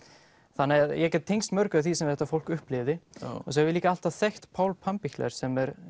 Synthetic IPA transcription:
θanːɪaðjɛcɛt̪t̪ʰejnst̪mœɾkʏaθisɛmθɛht̪ːafowl̥kʏhplɪvðɪɔ̰s̬ɛɾvɪliːkaal̥t̪aθext̪pʰaːwlpʰampiçt̪lɛ̰ɾ̥sɛmɛɾ

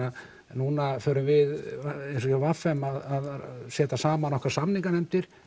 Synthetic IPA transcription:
a | nuːnafœːɾʏmvɪðejns̬ɔcɛɾvafɛmaðaðsɛːt̪asaːmanɔhkvaɾ̥samniŋkanɛmt̪ɪɾ̥

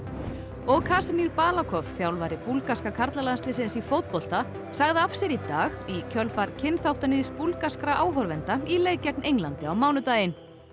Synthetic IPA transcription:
ɔɣkʰasmiɾpaːlakʰɔfθjawlvaɾɪpulkaskakʰaɾt̪lalanst̪lɪsɪnsifowt̪̚pɔl̥t̪a | saɣðɪafsɛɾit̪aːɣicʰœlfaɾcʰɪnθawht̪anɪðispulkaskɾaʔaːwɦɔɾvɛnt̪aileːjcɛk̚nʔejŋlant̪ɪawmaːwnʏt̪aːjɪn

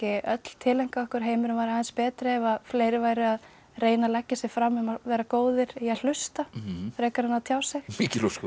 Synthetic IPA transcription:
ɪʔœt̪l̥t̪ʰɪlɛŋ̥kaɔhkʏɾ̥ɦeːjmɪɾʏmvaɾaðɛnspɛːt̪ɾɪɛvafleːjɾɪvaːjɾɪað | reːjnalacːɪsɪɣfɾamːʏmavɛːɾakoːwðɪɾ̥ial̥ʏst̪afɾɛːkaɾhanːaðt̪ʰjaːwsɛxmiːcɪloskɔ

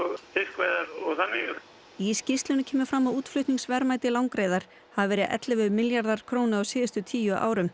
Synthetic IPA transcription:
ɔɣθɪr̥kvajðaɾɔɣθanːɪ | iscɪst̪lʏnɪcʰɛːmʏfɾamːauːt̪flʏht̪niŋsvɛɾmaːjt̪ɪlawŋkɾeːjðaɾ̥ | havvɛːɾɪðʔɛ̰t̪lɪvʏmɪljaɾðaɾ̥kʰɾownɪawsiːðɪst̪ʏt̪ʰiːjʏʔa̰ːwɾʏm

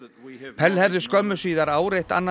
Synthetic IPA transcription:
pʰɛlhɛvðʏskœmːʏsiːðaɾaːwɾejht̪a̰nːa

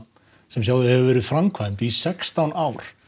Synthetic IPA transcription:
sɛmsjaːwðɪhɛvʏvɛːɾɪð̥fɾamkʰvajmt̪isɛkst̪awnaːwɾ̥

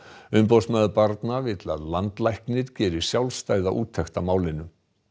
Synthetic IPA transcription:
ʏmpowsmɛðʏpaɾt̪navɪt̪la̰ðlant̪lajhknɪɾcɛːɾʏ̥sjawlst̪aːjða̰ʔṵːt̪ʰːɛxt̪amaːwlɪnːʏ

